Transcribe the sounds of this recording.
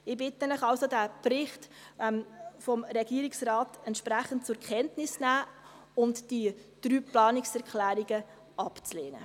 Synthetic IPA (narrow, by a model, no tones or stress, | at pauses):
ɪbɪtːɛnəχɑlsod̥æːprɪχt | mfɔmɾɛɡ̥iəɾɪksrɑːtɛntʃpɾæχənt̚t͡sʊɾkʰɛntnɪsnæː | ʊntd̥id̥ɾyːplɑːnɪksɛɾkʰlæːɾiɡ̥ə | ɑpt͡sleːnə̰